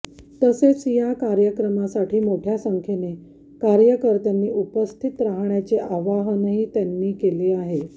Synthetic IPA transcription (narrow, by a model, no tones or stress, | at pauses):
t̪əset͡sjakaɾjəkɾəmasaʈʰiːmoʈʰjasəŋkʰene | kaɾjəkəɾt̪janːiːʔupəst̪ʰit̪ɾaɦɳjat͡seʔaʋaɦnəɦiːt̪janːiːkeliːaɦe